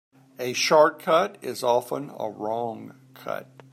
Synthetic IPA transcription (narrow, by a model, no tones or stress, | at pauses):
ɨʃɑɹt̚kʰʌɾɪzɑfə̰̃nə̰ɹɔ̃ŋ | kʰʌ̰t̚